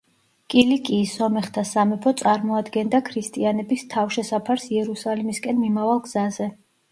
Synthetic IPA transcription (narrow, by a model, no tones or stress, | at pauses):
kʼilikʼiːsɔmɛχt̪ʰasamɛpʰɔt̪sʼaɾmɔad̪ɡɛnd̪akʰɾist̪ʼianɛbist̪ʰafʃɛsapʰaɾsiɛɾusalimiskʼɛnmimavalˠɡz̥azɛ